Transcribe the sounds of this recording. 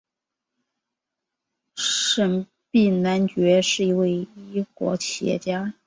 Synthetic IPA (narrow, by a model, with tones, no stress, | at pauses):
ʂə˧˥n | pi˥˩na˧˥nt͡ɕɥɛ˧˥ʂɻ̩˥˩i˧˥we˥˩ɪi˥kwɔ̰˧˥t͡ɕʰjɛ̰˧˥t͡ɕja˥